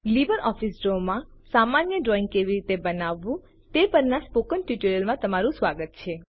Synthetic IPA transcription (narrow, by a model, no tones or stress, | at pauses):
libəɾɔfisɾomãsamanjəɖɾɔĩŋɡ̚keʋiɾit̪ebənaʋːũ | t̪epəɾnaspokənʈjuʈəɾəlmãt̪əmaɾũsʋaɡət̪̚t͡ʃʰe